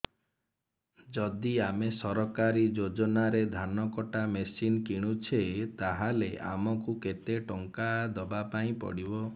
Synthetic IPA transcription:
d͡ʒɔd̪iamesɔɾɔkaɾid͡ʒod͡ʒɔnaɾed̪ʱanɔkɔʈamesinkiɽ̃ut͡ʃʰet̪aɦaleʔa̰mɔkuket̪eʈɔŋkad̪ɔbapaĩpɔ̰ɽibɔ

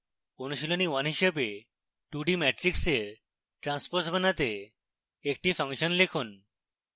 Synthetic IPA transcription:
onuʃiloniwanɦiʃebe | ʈuɖimɛʈɾikseɾ | ʈɾanspoɾsbanat̪e | ek̚ʈifaŋʃonlekʰun

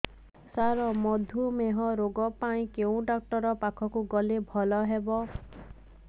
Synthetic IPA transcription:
saɾɔmɔd̪ʱumeɦɔɾoɡɔpaĩkeũɖak̚ʈɔɾɔpakʰɔkuɡɔlebʱɔlɔɦebɔ

